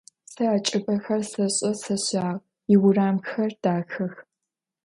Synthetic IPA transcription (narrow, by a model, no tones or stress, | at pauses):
sɐːt͡ʃʼɪpʼɐxɐrsɐɕʼɐsɐɕaːʁ | ɪwʊraːmxɐrd̥aːxɐx